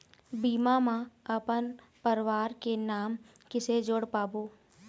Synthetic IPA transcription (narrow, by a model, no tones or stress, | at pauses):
biːmamãəpən | pəɾɪʋaːɾkenaːm | kɪsed͡ʒʊɽpaːboː